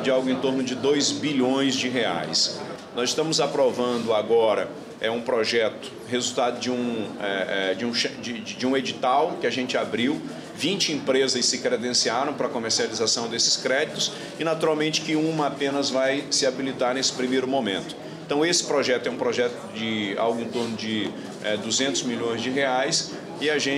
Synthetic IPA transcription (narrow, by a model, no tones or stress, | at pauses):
d͡ʒɪawɡʊẽnt̪oɾnʊd͡ʒɪd̪ojzbiʎõj̃zd͡ʒɪɦea̰js | nɔzɪst̪ɐ̃mʊzapɾovɐ̃nd̪ʊaɡɔɾɐ̰ | ɛũpɾoʒɛt̪ʊ̥ | hezuwt̪ad̪ʊd͡ʒɪũɛɛd͡ʒɪũʃɛd͡ʒɪd͡ʒɪũed͡ʒit̪awkɪaʒẽnt͡ʃɪabɾiw | vĩnt͡ʃɪĩpɾezɐsɪkɾed̪ẽsiaɾɐ̃w̃pɾɐkomeɾsializasɐ̃w̃d̪esɪ̥skɾɛd͡ʒit̪ʊs | ɪnat̪uɾawmẽnt͡ʃɪ̥kɪũmɐapẽnɐzvajsɪabilit̪aɾnesɪ̥pɾimejɾʊmõmḛ̃nt̪ʊ̥ | ẽt̪ɐ̃w̃esɪ̥pɾoʒɛt̪ʊɛũpɾoʒɛt̪ʊd͡ʒɪa̰wɡʊĩnt̪oɾnʊd͡ʒɪ | ɛd̪uzẽnt̪ʊzmiʎõj̃zd͡ʒɪɦeajs | ɪaʒẽ